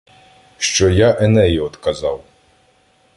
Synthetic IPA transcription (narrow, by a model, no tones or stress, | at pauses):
ʃt͡ʃɔjaʔɛnɛjiɔd̪kɐzɑw